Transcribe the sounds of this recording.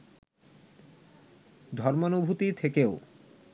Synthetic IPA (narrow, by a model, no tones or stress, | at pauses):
d̪ʱɔɾmanobʱut̪it̪ʰekeo